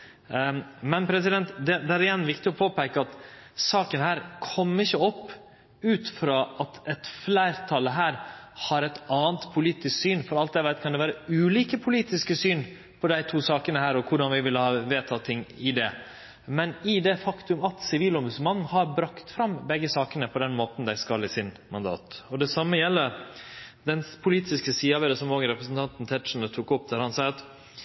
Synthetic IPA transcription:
mɛnpʰɾɛsɪd̪ɛnt̪d̪ɛd̪ɛæɾɪjɛnːʋɪkt̪ɪɔpʰoːpæɪkəɑt̪sɑːkənɦæːɾkʰɔmːəɪçːəɔpː | ʉːt̪fɾɑːʔɑt̪ɛt̪flæɪɾt̪ʰɑlːəɦæːɾhɑɾɛt̪ɑːənt̪pʰʊliːt̪ɪsksyːnfɔɾɑlt̪d̪ɛʋæt̪kʰɑnd̪ɛʋæːɾəʉːliːkəpʰʊliːt̪ɪskəsyːn | pʰɔd̪æɪt̪ʰuːsɑːkənəhæːɾɔkʰʊɖɑnʋɪʋɪlːəhɑːʋeːt̪ʰɑːt̪ʰɪŋːɪd̪ɛ | mɛnɪd̪ɛfɑkt̪ʉmɑt̪sɪʋiːlɔmbʉsəmɑŋːhɑɾbɾɑkt̪fɾɑmbɛɡːəsɑːkənəpʰɔd̪ɛnmoːt̪n̩d̪æɪskɑlɪsɪn | mɑnd̪ɑ̰ːt̪ɔd̪ɛsɑmːəjɛlːə | d̪ɛnpʰʊliːt̪ɪskəsiːɑʋɛːɾəsɔmoːɡənɾɛpɾəsn̩t̪ʰɑnt̪n̩t̪ʰɛt̪ʂn̩ət̪ʰukɔp̚d̪æɾhɑnsɑːɑt̪

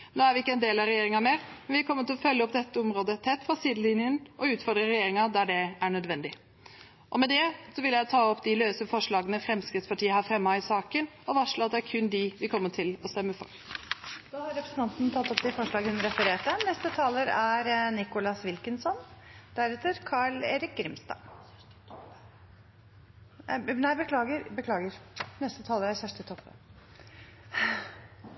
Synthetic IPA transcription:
noːæɾʋɪɪkːəɛnd̪eːlɑɾɛjeːɾɪŋɑmeːɾmɛnʋɪæɾkʰɔmːət̪ʰːɪlɔfœljəɔpd̪ɛt̪ːəɔmɾoːd̪ət̪ʰɛt̪ːfɑsiːd̪l̩ɪnjənʔɔʉːt̪fɔɖd̪ɾəɾɛjeːɾɪŋɑd̪æɖɛæɳœd̪ʋɛnd̪ɪ | ʔɔmɛd̪ɛsɔʋɪljæɪt̪ʰɑːɔpːd̪ɪløːsəfɔʂɭɑːɡənəfɾɛmskɾɪt̪spɑʈiːəhɑfɾɛmːɑɪsɑːkən | ɔʋɑʂɭoɑt̪d̪ɛæɾkʰʉnd̪ɪʋɪkʰɔmːəʈʰɪlɔst̪ɛmːəfɔ̰ɾ | d̪ɑːhɑɾɛpɾəsən̩t̪ɑnt̪nt̪ʰɑt̪ːɔpd̪ɪfɔʂɭɑːɡəʉnəɾɛfəɾeːʈənɛst̪ət̪ʰɑːləɾæɾnɪkʊlɑsʋɪlkənsɔnd̪̥æɾɛt̪əɾkʰɑːɭeːɾɪk̚ɡɾɪmst̪ɑ̰ː | næɪbəkʰlɑːɡəɾbəkʰlɑːɡəɾnɛst̪ət̪ʰɑːləɾæɾsæʂʈ̪ət̪ʰɔpːə

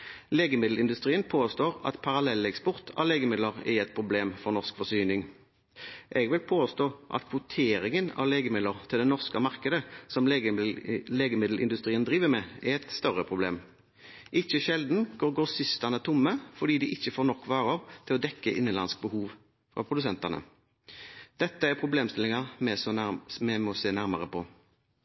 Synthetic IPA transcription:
leːɡəmɪd̪l̩ɪnd̪ʉst̪ʁiːənpʰoːst̪oːʁɑ̰t̪pʰɑʁɑlɛlːɛkspɔʁt̪ʰɑ̰ʋleːɡəmɪd̪ləʁɛ̰ʁɛt̪̚pʰʁʊbleːmfɔnɔʁskfɔsyːnɪŋ | ʔɛɡʋɪlpʰoːst̪oːʔɑ̰t̪pʰʊt̪ʰeːɾɪŋənɑ̰ʋleːɡəmɪd̪ləʁt̪ʰɪld̪ɛnɔʁskəmɑʁkəd̪əsɔm | leːɡəmɪd̪l̩ʔɪ̰nd̪ʉst̪ʁiːənd̪ʁiːʋəmɛæʁɛt̪st̪œʁəpʰʁʊblḛːm | ʔɪçəʃɛld̪n̩ɡ̥oːʁɡoːsɪst̪ɑnət̪ʰʊmːəfɔɖ̪iːd̪ɪʔɪçːəfoːɾnɔkːʋɑːʁɑʁt̪ʰɪlɔd̪ɛkːəʔɪnːənlɑ̰nsk̚bəhuːʋ | fʁɑ̰pʰɾʊd̪ʉsɛnt̪ɑnə̰ | d̪̥ɛt̪ːəæɾpʰɾʊbleːmst̪ɪlɪŋɑmɛsmɛmɔseːnæɾmɑ̰ʁəpʰɔ

